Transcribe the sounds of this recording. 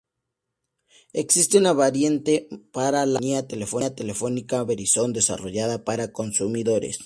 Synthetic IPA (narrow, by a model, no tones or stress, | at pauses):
e̞ksist̪eunaβaɾjent̪e̞paɾalaniat̪e̞le̞fo̞at̪e̞le̞fo̞nikaβeɾiso̞nd̪e̞sa̰ro̞ʝaðapaɾako̞nsumiðo̞ɾḛs